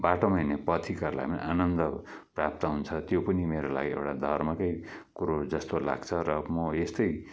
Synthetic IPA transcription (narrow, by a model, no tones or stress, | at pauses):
baʈomʌinepʌt̪ʰikarla̰jmn̰ʔanʌnd̪ʌ | prap̚t̪ʌɦunt͡sʰʌt̪jopʌnimeɾola̰ɡiḛwʈad̪ʱʌrmʌkʌjkuɾod͡zʌst̪ola̰ɡt͡sʰʌɾʌmʌest̪ʌj